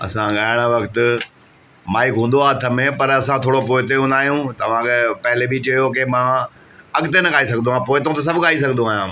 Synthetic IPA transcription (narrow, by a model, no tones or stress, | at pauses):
ɐ̰sãɠaːɪɽ̃ʋɐkt̪ʊ̆ | maːɪkɦũːn̆d̪oaːt̪ʰɐmẽpɐɾɐsãt̪ʰoːɽopoːɪt̪̬eɦũːnd̪aːɦijũt̪ɐʋ̤ãkʰepɐɦɪlebʱit͡ɕɐjok̬emãː | ɐɠɪt̪enɐɠaːisɐɡʱnd̪ũɦãːpoːɪt̪ɐõt̪ɐs̬ɐbʱɠaːisɐɡʱnd̪ũaːɦjãː